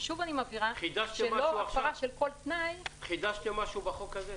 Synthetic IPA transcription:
ʃuvanimaviʁaχid̪aʃʃiemloafaʁaʃe̞lko̞lt̪najχid̪aʃt̪imaʃubaχokaze

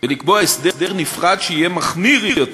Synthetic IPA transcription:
velik̚boaesd̪ed̪eʁnifʁad̪ʃeijemaχniʁjot

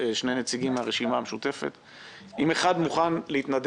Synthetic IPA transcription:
eʃnejnet͡siɡimaʁeʃimaːmeʃut̪e̞fḛt̪ | ʔimeχad̪muχanleit̪nad̪

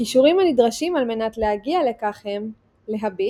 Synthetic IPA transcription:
iʃuʁimanidʁaʃimalme̞natlehaɡiale̞kaχhem | le̞ɦabi

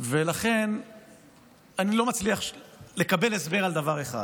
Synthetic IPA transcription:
velaχe̞n | anilo̞mat͡sliaχle̞kabe̞lesbe̞ʁald̪avaʁeχa̰d

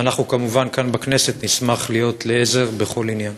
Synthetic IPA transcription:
anaχnukamuvankanbakne̞se̞t̪nismaχlijo̞tleeze̞ʁbe̞χo̞linjan

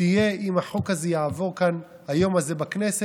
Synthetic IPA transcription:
ijeimaħokhazejaavo̞ʁkan | hajo̞mazebaknese

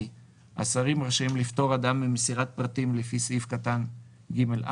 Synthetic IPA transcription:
ʔa̰saʁimʁaʃimlift̪o̞ʁad̪amːimesiʁat̪̚pʁat̪imlefisifkat̪an | ɡimelʔa̰

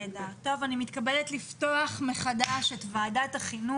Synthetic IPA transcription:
dat̪ːo̞vanimit̪kabeletlifto̞aχmeχadaʃetvaːdataχinu

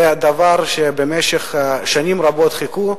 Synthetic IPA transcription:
ad̪avaɾʃebemeʃeχʃanimɾabot̪χiku

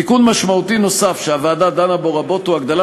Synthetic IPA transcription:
ikunmaʃmaut̪ino̞safʃeavaːd̪ad̪anaboʁabo̞t̪huaɡd̪ala

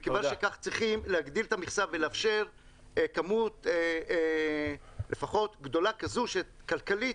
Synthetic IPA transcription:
kevanʃekaχt͡sʁiχimleaɡd̪ilet̪amiχsavveleafʃeʁ | kamut̪ː | lefaχo̞t̪ɡd̪o̞lakazuʃekalkali

